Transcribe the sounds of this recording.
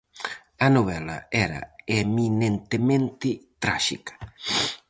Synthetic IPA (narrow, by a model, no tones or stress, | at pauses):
ɐnoβɛla̰ɛɾɐ̰eminẽnt̪emẽnt̪ɪt̪ɾaʃḭkɐ̥